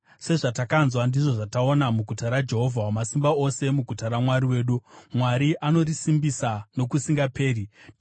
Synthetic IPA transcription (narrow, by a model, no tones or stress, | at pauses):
se̞ʐatakanzwandiʐo̞ʐatao̞namuɡʱutaɾad͡ʒe̞ɦo̞vʱawamasimbao̞se̞muɡʱutaɾamwaɾiwe̞ːɗumwaɾiʔano̞risimbisano̞kusiŋɡape̞ːri